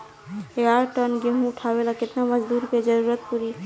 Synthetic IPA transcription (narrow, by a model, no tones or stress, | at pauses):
eaɾʈənɡeɦũʊʈʰabelakɪt̪naməd͡ʒd̪uːɾked͡ʒəɾuɾət̪̚puɾi